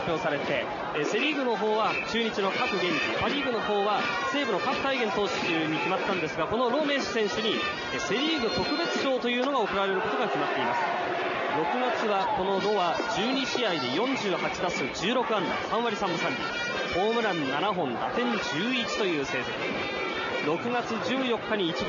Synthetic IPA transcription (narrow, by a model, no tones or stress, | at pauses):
pʲjo̞ːsaɾe̞t̪e̞ | se̞ɾʲiːɡɯ̟no̞ɦo̞ːβat͡ɕɨːɲ̟it͡ɕino̞kakɯ̟ɡẽ̞ɲd͡ʑipaɾʲiːɡɯ̟no̞ɦo̞ːβa | se̞ːbɯ̟no̞kapɯ̟̥t̪aiɡẽ̞nt̪o̞ːɕi̥t͡ɕɨːɲ̟ikʲimat̪ːãnd̪esɨɡako̞no̞ɾo̞ːme̞ːɕi̥sẽ̞ɰ̃ɕɨɲ̟i | ese̞ɾʲiːɡɯ̟t̪o̞kɯ̟be̞t͡sɨ̥ɕo̞ːt̪o̞jɯ̟ːno̞ɡao̞kɯ̟ɾaɾe̞ɾɯ̟kot̪o̞ɡakʲimat̪ːe̞imasɨ̥ | ɾo̞kɯ̟ɡat͡sɨβako̞no̞no̞βad͡ʑɨːɲ̟iɕiaid̪e̞jõ̞ɲ̟d͡ʑɨːhat͡ɕid̪asɨd͡ʑɨːɾo̞kɯ̟ãnd̪a̰sãɰ̃βaɾʲisãmbɯsãmbʲḭ | ho̞ːmɯ̟ɾãnːanaɦõ̞nd̪a̰t̪ẽ̞ɲd͡ʑɨːit͡ɕi̥t̪o̞jɯ̟ːse̞ːzo̰ | ɾo̞kɯ̟ɡat͡sɨʑɨːjo̞kːaɲ̟iːt͡ɕi